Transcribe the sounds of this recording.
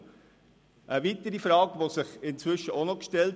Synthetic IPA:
ʔəʋitəɾifɾɑːɡʋosɪχɪnt͡sʋʏʃəonɔkʃtɛlt

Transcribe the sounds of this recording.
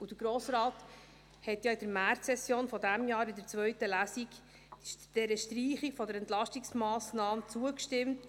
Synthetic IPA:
ud̪̥əɾɡ̥ɾoːsɾɑːt | hɛtjɑɪd̥əɾmæɾtsɛsjoːnfɔdæmjɑːɾɪdəɾt͡svœɥtəlæsik | d̥ɛɾəʃtriːχikfɔdəɾɛnt̪lɑʃtiksmɑːsnɑːmt͡suəkʃtɪmt

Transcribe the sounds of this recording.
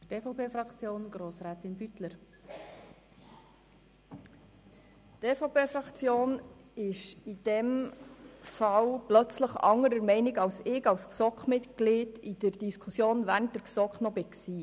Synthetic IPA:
teːfɔʊpʰeːfɾɑkt͡sjoːnɡ̥ɾoːsɾæːt̪ɪnbyt̪ləɾ | teːfoʊpeːfɾɑkt͡sjoːnɪʃid̥ɛm | fɑwplœt͡sləχɑ̰ŋəɾəɾmɛɪnɪɡɑwsɪɡɑwsksɔkχmɪtkliːdid̥əɾd̥iskʰusjoːnvænd̥əɾksɔkχnɔbɪksiː

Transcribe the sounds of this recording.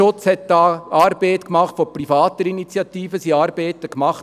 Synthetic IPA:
ʊt͡shɛt̚dɑːɑːɾbetkmɑχtfɔprifɑːt̪əɾinit͡sjɑtiːfəsiɑːɾbeːtəkmɑχt

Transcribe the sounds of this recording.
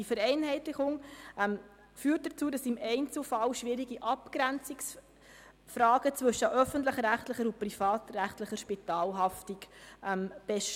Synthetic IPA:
difəɾɛɪnɦɛɪtlɪχʊŋʔɛm | fyːt̚dət͡suːdɑsɪmɛɪnt͡sl̩fɑlʃʋɪɾiɡiʔɑpkɾænt͡sɪks | fɾɑːɡ̥ət͡sʋɵʃəʔœfəntləχɾæχtləχəɾʊprifɑːtræχtləχəɾʃpitɑːlɦɑftikʔɛmb̥ɛʃ

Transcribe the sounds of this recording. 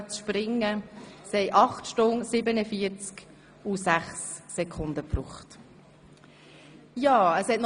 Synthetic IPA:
t͡sʃpɾɪŋːəshɛɪʔɑχtʃtʊŋsɪbənəfiəɾt͡sk | usæχsːɛkʰʊndəpɾuːχt | jɑːəshɛt̚n

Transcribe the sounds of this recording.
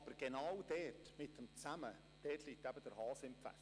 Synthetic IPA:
b̥əɾɡ̥enawd̥ɛːrtmɪtəmt͡sæmə | d̥ɛːtʰliːk̚tæb̥əd̥əɾhɑːsɪmpfæ̰s

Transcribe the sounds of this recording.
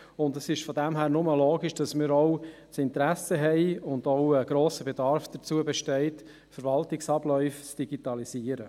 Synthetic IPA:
ʊndəsɪʃfɔdɛmɦæːɾnʊməloːɡiʃd̥ɑsmɪːɾɔw | sɪntɾæsəɦɛɪʊndoʊəɡ̥ɾoːsəbedɑɾfd̪̥ət͡suəbɛʃtɛɪt | fəɾvɑltɪksɑb̥lœʏft͡sd̥iɡitɑliziːəɾə

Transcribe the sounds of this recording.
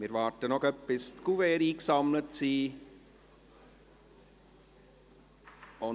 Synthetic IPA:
mɪɾʋɑːɾtənɔχœpːɪst̪kuveːɾiːksɑmlətsiː | ʊ

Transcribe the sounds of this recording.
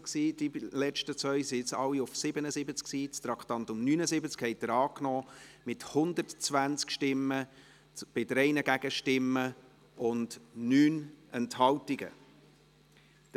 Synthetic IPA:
ksiːd̥ilɛʃtət͡sʋœʏsiɪt͡sɑwiʊfsɪbənəzɪbət͡sksiːt͡st̪ɾɑkχt̪ɑnt̪ʊmnyːnəzɪbət͡skhɛɪdəɾɑːknɔːmɪthʊnd̪ərtt͡svænt͡skʃtɪmːə | b̥ɪdɾɛɪnəɡæɡəʃtɪmːə | ʊndnyːnɛnthɑltiɡə̰

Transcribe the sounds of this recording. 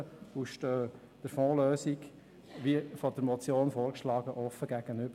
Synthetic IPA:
əuʃtøː | d̥əɾfɔ̃ːløːsik | ʋifɔd̥əɾmɔt͡sjoːnfoːɾkʃlɑːɡ̥əʔɔfːəɡ̥æɡ̥ənʏb̥ə

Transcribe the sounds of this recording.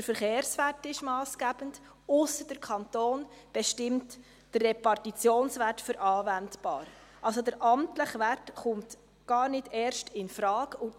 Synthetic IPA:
əɾfəɾχeːɾsʋætɪʃmɑːsɡ̥æb̥ənd | ʊsəd̥əɾkʰɑntoːn | b̥ɛʃtɪmt | d̥ərːɛpɑrtit͡sjoːnsʋætfʏɾʔɑːvændb̥ɑ̰ːɾʔɑlsodəɾʔɑmtləχʋætχʊmt | ɡ̥ɑːɾnɪdɛːɾʃtʰɪnfɾɑːɡʊ

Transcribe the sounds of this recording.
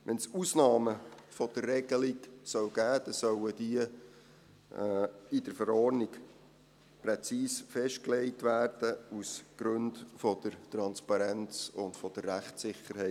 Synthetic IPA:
ʋʔɛnsusnɑːməfɔd̥ərːɛɡ̥əliksœwɡ̥æːd̥ɛsœwəd̥iə | ɪdəɾfəɾɔɾnik | pɾɛt͡siːsfɛʃt̚klɛɪtʋæːrd̥əusɡ̥ɾɵndfɔd̥̪əɾtɾɑnspɑɾɛnt͡sʊntfɔd̥ərːæχtsɪχəɾɦɛ

